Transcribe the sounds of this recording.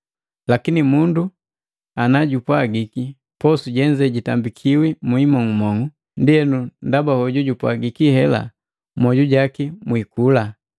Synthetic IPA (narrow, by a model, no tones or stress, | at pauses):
lakinimundu | anaɟupwaɡiki | pɔsuɟɛɲd͡ʒɛɟitambikʰiwimuimɔŋumɔŋu | ndiɛnundabahɔɟuɟupwaɡikihɛla̰ | mɔɟuɟakimwikula